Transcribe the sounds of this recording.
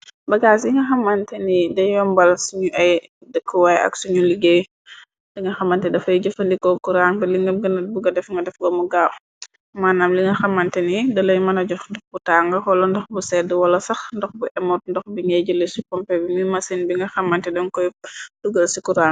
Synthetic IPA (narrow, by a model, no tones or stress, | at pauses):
bɐɡas̬iŋɡɐxɐmːɐntɛnidɐjwɔmbɐlsuɲuʔɐjdəkʰːəwajɐ̰ksuɲuliɡeː | diŋɡɐxɐmɐntɛdɐfɐjɟɐfɐndikɔkuɾaŋbɛliŋɡɐmɡɐnɐt̚buɡɐdɛfŋɡɐdɛfɡɔmuɡaː | maːnaːmliŋɡɐxɐmɐntɛnidɐlɐjmɐnɐɟɔxndɔxbutaŋɡɐxɔlɔndɔxbusɛdəwɐlɐsɐxndɔxbuʔɛmɔt̚ndɔxbiŋɐɟələsikɔmpɛbimumɐsinbiŋɡɐxɐmɐntɛdɐnkɔjd̥uɡɐlsikuɾaŋ